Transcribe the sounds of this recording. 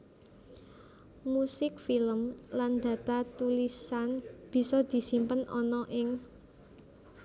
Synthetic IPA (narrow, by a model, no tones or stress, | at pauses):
musɪk̚filəmland̪̥ä̤t̪at̪ulisanb̥i̤sɔd̪̥i̤simpənʔɔ̰nɔʔɪŋ